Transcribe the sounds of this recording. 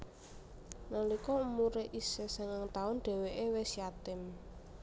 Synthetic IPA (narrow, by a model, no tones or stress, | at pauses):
nəlikɔumuɾeʔisesəŋaŋt̪aʊnɖ̥ɛ̤weʔewesijat̪ɪm